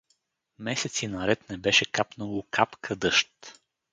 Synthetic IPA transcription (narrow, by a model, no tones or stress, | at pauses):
mɛsɛt̪sinɐɾɛt̪nɛbɛʃɛkapnəlˠokʰapkʰəd̪ɤʃt̪